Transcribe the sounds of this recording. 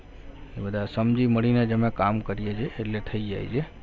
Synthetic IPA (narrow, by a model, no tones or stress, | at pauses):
ebəd̪asəmd͡ʒiməɽined͡ʒəmekamkəɾied͡ʒeːleʈʰəid͡ʒa̰jd͡ʒe